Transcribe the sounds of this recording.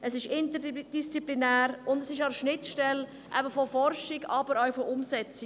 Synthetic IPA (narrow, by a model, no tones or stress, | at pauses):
əsɪʃɪnt̪əd̥ist͡siplinæːɾʊndəsɪʃɑʃnɪtʃtɛl | ʔæ̰bəfɔfɔrʃɪɡɑbəɾawfɔʔʊmsɛt͡sɪ